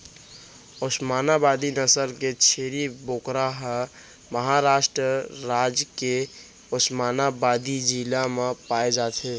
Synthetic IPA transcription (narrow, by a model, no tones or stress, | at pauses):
osmaːnabad̪inəsəlket͡ʃʰeːɾiboːkɾaɦə | məɦaɾaːʃʈɾəɾaːd͡ʒke | osmaːnabad̪id͡ʒilamẽpaːed͡ʒaːt̪ɦe